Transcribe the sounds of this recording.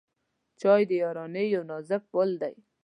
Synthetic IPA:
t͡ʃɑjd̪əjɑɾɑnejownɑzək̚wəld̪aj

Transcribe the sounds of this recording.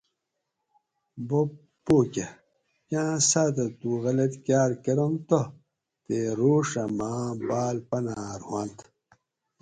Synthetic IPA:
bo | pːoːke | kʲãːsaːt̪ɐt̪uɣɐlet̪kjaːɾkeɾomt̪o | t̪eɾoːʂɐmãːbaːlpɐnaːɾwant̪

